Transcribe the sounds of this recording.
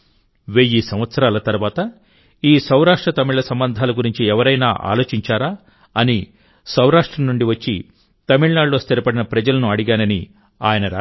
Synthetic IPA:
ʋeːjisɐmʋɐt̪sɐɾaːlɐt̪ɐɾuʋaːt̪ɐ | iːsɐwɾaːʂʈɾɐt̪ɐmiɭlɐsɐmbɐnd̪ʱaːlɐɡuɾiɲt͡ʃiɛʋɐɾɐjnaːʔa̰ːlo̞ːt͡ʃiɲt͡ʃaːɾaː | ɐni | sɐwɾaːʂʈɾɐmnuɳɖiʋɐt͡ʃːi | t̪ɐmiɭnaːɽloːst̪ʰiɾɐpɐɽinɐpɾɐd͡ʒɐlɐnuɐɽiɡaːnɐni | aːjɐnɐɾaː

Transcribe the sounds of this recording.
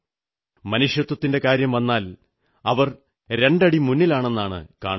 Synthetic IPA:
mɐnuʂjɐt̪wɐt̪ːinde̞kaːɾjɐmʋɐnːaːl | ɐʋɐr | ɾe̞ɳɖɐɽimunːilaːɳe̞nːaːɳɨ̰ka̰ːɳ

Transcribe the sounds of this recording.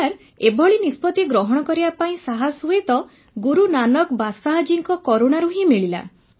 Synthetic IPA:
aɾ | ebʱɔɭinispɔt̪iɡɾɔɦɔɽ̃ɔkɔɾibapaĩsaɦasuet̪ɔ | ɡuɾunanɔkbasaɦad͡ʒiŋkɔkɔɾoɽ̃aɾuɦĩmeɭila̰

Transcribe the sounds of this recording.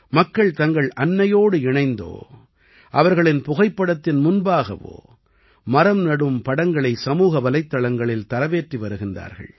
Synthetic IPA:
mɐkːɐɭt̪ɐŋɡɐɭʔɐnːɐjoːɽɯɪɳɐɪnd̪o̰ː | ʔɐʋɐɾɣɐɭɪnpʊɣɐɪpːɐɽɐt̪ːɪnmʊnbaːɣɐ̰ʋo̰ː | mɐɾɐmnɐɽɯmpɐɽɐŋɡɐɭɐɪsɐmuːɣɐʋɐlɐɪt̪ːɐɭɐŋɡɐɭɪlt̪ɐɾɐʋeːʈriʋɐɾɯɣɪndra̰ːɾɣɐ̰ɭ

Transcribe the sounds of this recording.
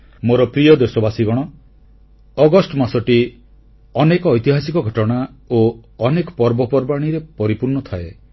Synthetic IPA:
moɾɔpɾijɔd̪esɔbasiɡɔɽ̃ɔ | ɔɡɔsʈɔmasɔʈi | ɔnekɔːjt̪iɦasikɔɡʱɔʈɔɽ̃aoɔnekɔ̥pɔɾbɔpɔɾbaɽ̃iɾepɔɾipuɾnɔt̪ʰae

